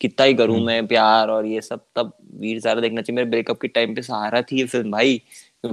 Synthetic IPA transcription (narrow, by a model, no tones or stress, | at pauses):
kɪt̪ːaɦikɐɾũmɛ̃ːpjaːɾɔːɾjesɐb̚t̪ɐb̚ʋiːɾzjaːd̪ad̪eːkʰnat͡ʃaːɦiemeːɾebɾeːkɐp̚keʈaːɪmpẽsɐɦaːɾat̪ʰiefɪlmbʱaːi